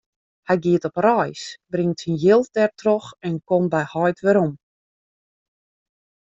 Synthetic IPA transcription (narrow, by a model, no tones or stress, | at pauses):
hɛjɡiətɔprɔjsbrɪŋtsinjɪlˠdɛrtroxɛnkɔmbɛjhɔjtʋɪɾɔm